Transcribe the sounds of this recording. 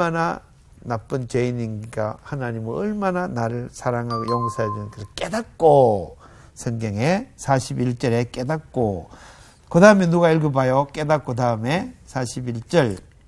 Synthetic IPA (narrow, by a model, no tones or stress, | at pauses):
mana | nap͈ɯnt͡ɕeiniŋiɡahanaɲimɯʌɭmananaɾɯɭsʰaɾaŋɦaɡojoŋsʰaɦedenɯnkɯsʰɯɭk͈edak͈o | sʰʌŋɡjʌŋe̞sʰaɕʰibiɭt͡ɕ͈ʌɾek͈edak̚k͈o | kɯdaɯmenuɡaiɭɡɯbajok͈e̞dak͈̚ɯdaɯme̞sʰaɕʰibiɭt͡ɕ͈ʌɭ